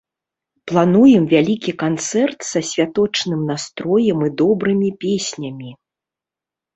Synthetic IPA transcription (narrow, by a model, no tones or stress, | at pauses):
plˠanujɛmvʲalʲikʲikant̪sɛrt̪sɐsʲvʲat̪ɔt͡ʂnɨmnast̪ɾɔjɛmɨd̪ɔbɾɨmʲipʲesʲnʲɐmʲi